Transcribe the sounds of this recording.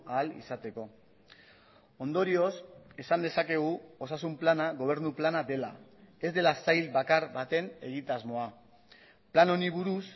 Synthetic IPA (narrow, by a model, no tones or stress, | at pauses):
alḭsat̪e̞ko̞ | o̞nd̪o̞ɾio̞se̞sand̪e̞sake̞ɣ̞uo̞sasumplanaɣo̞β̞e̞ɾnuplanad̪e̞lae̞zd̪e̞lasajlbakaɾβat̪e̞ne̞ɣ̞it̪azmo̞a | plano̞niβ̞uɾus